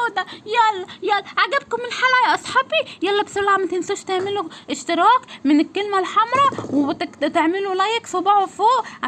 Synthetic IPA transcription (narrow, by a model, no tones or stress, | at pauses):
d̪æjælːæjælːæʕaɡæb̚kʊmɪnħaljʔɑsˤħɑːbijælːæbsˤʊlːaʕmæt̪ɪnsuːʃt̪eʕmɪluʔɪʃt̪ɪɾˤɑːkmɪnɪkːɪlmælħɑmɾˤɑw̪t̪eʕmɪlulæjɪksˤobɑːʕofoːʔʕa